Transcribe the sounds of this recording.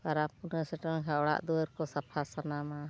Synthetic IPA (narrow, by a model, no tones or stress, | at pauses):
kaɾapunəsɛʈənkaɔɽa̰ʔd̪uwəɾkɔsapʰasanama